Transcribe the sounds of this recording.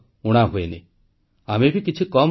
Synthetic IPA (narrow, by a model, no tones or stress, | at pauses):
uɽ̃aɦuenḭ | amebʱikit͡ʃʰikɔm